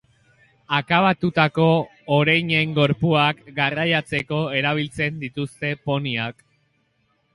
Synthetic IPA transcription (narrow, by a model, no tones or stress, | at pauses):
akaβat̪ut̪ako̞ː | ɾajɲe̞ŋɡo̞ɾpuakɡarajat͡se̞ko̞e̞ɾaβ̞ilt͡se̞nd̪it̪ust̪e̞po̞niak